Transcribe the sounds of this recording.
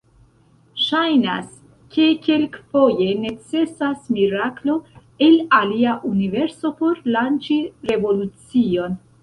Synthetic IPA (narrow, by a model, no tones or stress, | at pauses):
ʃajna̰s | ke̞ke̞lkfo̞je̞ne̞t͡se̞sasmiɾaklo̞ | elaliaʔunive̞ɾso̞po̞ɾlant͡ʃiɾe̞vo̞lut͡sio̞n